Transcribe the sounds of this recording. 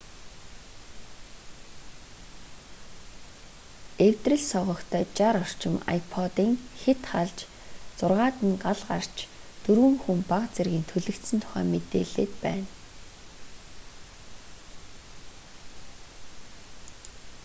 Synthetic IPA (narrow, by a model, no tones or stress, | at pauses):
ewt̪rĭɮsɔʁɞ̆kt̪ʰœːt͡ɕaɾɔr̥t͡ɕɪ̆ma̰jpʰɔt̪iːŋxet̪χaɮt͡ɕ | t͡sʊrʁaːt̪ə̆nɢaɮɢa̰r̥t͡ɕʰt̪ɵɾwɘ̆ŋxumpaqt͡serɣʲiːnt̪ʰɵɮɘ̆kt̪sɘ̆nt̪ʰʊ̥χæ̰ːmet̪eːɮeːt̪pæ̰ːn